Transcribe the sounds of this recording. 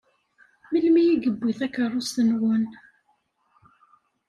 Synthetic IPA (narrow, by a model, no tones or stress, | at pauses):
məlmijiɡəbːiθækərˤʊst̪ənwən